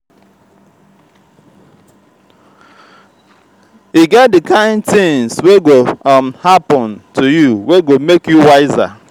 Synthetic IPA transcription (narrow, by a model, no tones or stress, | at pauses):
iɡɛt̚dɪkãɪ̃ndtɪ̃ŋzweɡomhapɔ̃ntʰujuweɡomekjuwaɪza̰